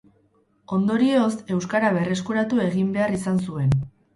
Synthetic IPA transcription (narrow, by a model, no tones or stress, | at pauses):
o̞nd̪o̞ɾieose̞wskaɾaβ̞e̞re̞s̬kuɾat̪ue̞ɣimbe̞arisans̬ue̞n